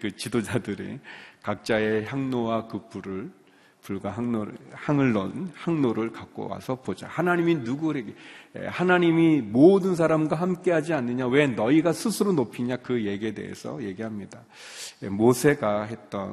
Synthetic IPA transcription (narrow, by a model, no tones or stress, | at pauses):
kɯt͡ɕidod͡ʑadɯɾḭkak̚t͡ɕ͈ae̞çjaŋnowakɯp͈uɾɯɭ | puɭɡwaɦaŋnohaŋɯɭːʌnhaŋnoɾɯɭkak͈o̰wa̰sʰʌpod͡ʑa̰hanaɲiminuɡuɾeɡeḛhanaɲimimodɯns̬ʰaɾamɡwaɦamk͈e̞ɦad͡ʑianːɯɲawe̞nʌiɡasʰusʰɯɾonopʰiɲakɯje̞ɡie̞de̞̰ɦḛsʰʌ̰je̞ɡiɦamɲida | jemosʰe̞ɡaɦe̞t͈ʌn